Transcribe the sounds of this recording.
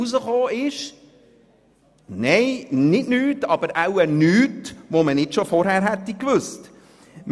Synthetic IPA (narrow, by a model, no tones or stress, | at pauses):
uzəχoːɪʃ | neɪnɪtnyːtɑb̥əɾaʊənyːtʋomənɪtʃofɔɾhæːɾhɛtːikʋʏst | m